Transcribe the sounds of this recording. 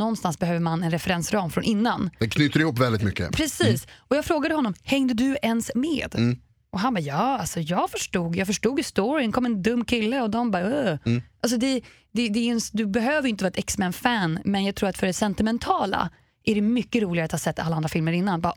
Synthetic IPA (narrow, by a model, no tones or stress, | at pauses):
nɔnːst̪ansbɛhøːvəɾmanɛnɾɛfɛɾɛnsɾɑːmfɾɔnʔɪnːand̪ɛkʰnyːt̪əɾɪhuːpːvɛld̪ɪt̪mʏkːə̰pʰɾɛsiːsɔjɑːɡfɾoːɡad̪əhɔnːɔmhɛŋd̪əd̪ɵɛnsmeːd̪ | ʔɔɦanbɑːjɑːalsɔjɑːɡfœʂʈuːɡjɑːɡfœʂʈuːɡɪst̪ɔɹɪənkʰɔmːɛnd̪ɵmːkʰɪlːəɔd̪ɔmbɑːøʔals̬ɔd̪ɛ | d̪ɛd̪ɛɛnsd̪ɵbɛɦøːvəɾjʏɪnt̪əvːɾɛt̪ɛksmænfænmɛnjɑːɡt̪ʰɾuːɾat̪fœɖɛsɛnt̪ɪmɛnt̪ʰɑːla̰ | ʔæɖɛmʏkːəɾuːlɪɡaɾat̪haːsɛt̪ːa̰lːaand̪ɾafɪlməɾɪnːanbɑː